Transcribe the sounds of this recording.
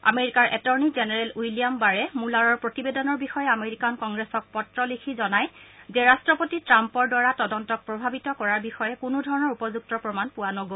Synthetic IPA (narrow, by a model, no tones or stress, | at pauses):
a̰meɹikaɹʔɛtɔɹnizɛnɛɹɛlujlijambaɹɛmulaɹɔɹpɹotibedɔnɔɹbixɔjɛameɹikankɔŋɡɹɛsɔk̚pɔtɹɔlikʰizɔnajzɛɹastɹɔpotitɹampɔɹdwaɹatɔdɔntɔk̚pɹɔbʱabitɔkɔɹaɹbixɔjɛkʊnʊdʱɔɹɔnɔɹupɔzuk̚tɔpɹɔmanpʊwanɔɡo